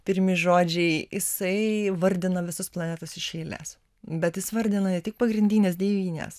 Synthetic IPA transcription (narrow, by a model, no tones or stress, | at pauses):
pʲɪɾʲmʲɪʒoːd͡ʒʲɛɪjɪsɐɪʋɐɾʲd̪ʲɪnɐʋʲɪsʊsplˠɐnʲæːt̪ɐsɪʃʲɛɪlʲḛːs | bʲɛt̪jɪsʋɐɾʲd̪ʲɪnɐɛtʲɪk̚pɐɡɾʲɪnʲdʲiːnʲeːsd̪ʲɛːʋʲiːnʲḛːs